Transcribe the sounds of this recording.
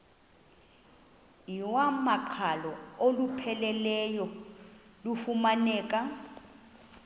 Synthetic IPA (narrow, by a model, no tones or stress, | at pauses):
iwamaǃʰalɔolupʰɛlɛlɛjɔ | lufumanɛːkʼa